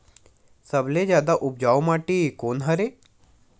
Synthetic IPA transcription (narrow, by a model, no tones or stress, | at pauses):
sɐbled͡ʒjaːd̪aʔʊp̚d͡ʒaːomaːʈikoːnɦɐɾe